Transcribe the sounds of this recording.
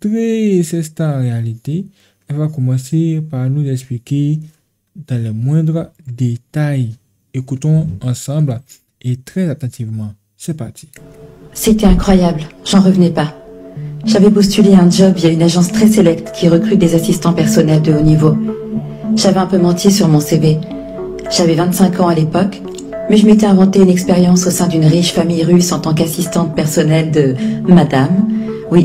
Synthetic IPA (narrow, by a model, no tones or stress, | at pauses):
t̪ʁɛsɛst̪ãʁealit̪e | ɛlvakɔmɑ̃sepaʁnuzɛksplike | d̪̥ɑ̃lɛmwɛ̃d̪ʁəd̪et̪aj | ekut̪ɔ̃ɑ̃sɑ̃bl | et̪χɛzat̪ɑ̃t̪ivmɑ̃ | sɛpaʁt̪i̥set̪ɛɛ̃kχwajablʒɑ̃ʁəvnɛpa | ʒavɛpust̪yleɛ̃d͡ʒɔbjaynaʒɑ̃st̪χɛselɛkt̪kʲiʁəkχyt̪̚d̪ezasist̪ɑ̃pɛʁsɔnɛld̪əonivo | ʒ̥avɛɛ̃pømɑ̃t̪ʰisyʁmɔ̃seve | ʒ̥avɛvɛ̃t̪sɛ̃kɑ̃alepɔk | mɛʒəmet̪ɛɛ̃vɑ̃t̪eynɛkspeʁjɑ̃sosɛ̃d̪ynʁiʃfamijʁysɑ̃t̪ɑ̃kasist̪ɑ̃t̪̚pɛʁsɔnɛld̪əːad̪am | wi